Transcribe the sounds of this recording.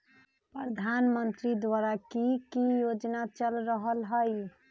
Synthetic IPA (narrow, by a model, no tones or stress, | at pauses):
pɾəd̪ʱanmənt̪ɾid̪ʋaɾakikijod͡ʒnat͡ʃəlɾəɦəlɦəj